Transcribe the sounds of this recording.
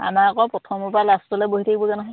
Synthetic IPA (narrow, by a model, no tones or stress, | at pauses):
a̰makɔpɹɔtʰɔmupalastɔlɛboɦitʰaɡibɔzanɔɦɔ̃j